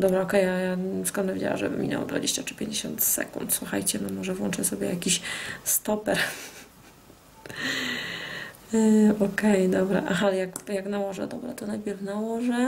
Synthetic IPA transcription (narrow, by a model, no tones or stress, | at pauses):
d̪ɔbɾaɔkɛjajaskɔɾnavid͡ʑa̰wa̰mʐɛ̰vɨ̰mʲḭɲa̰wɔ̰d̪va̰d͡ʑḛɕt͡ɕat͡ʂɘ̥pʲjẽɲd͡ʑeɕɔ̰nt̪sɛ̰kunt̪swuxa̰jt͡ɕɛnɛmɔʐɛvwɔ̰nt͡ʂɛsɔbʲjɛ̰jakʲiɕst̪ɔpɛɾ | ɔkɛjd̪ɔbɾa̰ʔaxalɛjakjaknawɔʐɛ̰d̪ɔbɾat̪ɔnajpʲjɛɾfnawɔʐɛ